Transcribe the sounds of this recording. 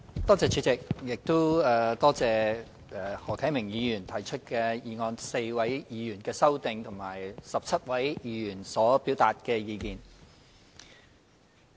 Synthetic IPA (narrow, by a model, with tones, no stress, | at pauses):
t̪ɔː˥t͡sɛː˨˧t͡ʃʰy˨˧˥t͡sɪ˨k̚jɪ˨k̚t̪ʊ˥wɛː˨t̪ɔː˥t͡sɛː˨ | ɛ˨˧hɔː˨˩kʰɐ˨˥jmɪ˨˩ŋjiː˨˧jyː˨˩nt̪ʰɐ˨˩jt͡ʃʰɵ˥t̚kɛː˧jiː˨˧ŋɔː˧nse˧jwɐ˨˥jjiː˨˧jyː˨˩nkɛː˧sɐ˥wt̪ɪ˧ŋt̪ʰʊ˨˩ŋmaː˨˩jsɐ˨p̚t͡sʰɐ˥t̚wɐ˨˥jjiː˨˧jyː˨˩nsɔː˨˥piː˨˥wt̪aː˨t̚kɛː˧jiː˨˧kiː˨n